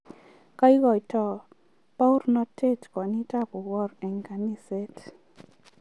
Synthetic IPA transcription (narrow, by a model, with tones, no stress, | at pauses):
ka˦i˦ɡɔ˨jtɔ˨ | pa˦u˦ɾnɔ˦te˦tkɔ˨ni˦ta˦pʊ˨wɔ˦ɾɛ˨ŋka˨ni˦se˦t